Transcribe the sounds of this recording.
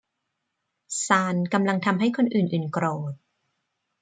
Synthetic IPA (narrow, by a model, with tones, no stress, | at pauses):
saː˧nka˧mla˧ŋt̪ʰa˧mɦa˥˩jkʰo˧nʔɯː˨˩nʔɯː˨˩nkɾoː˨˩t̪̚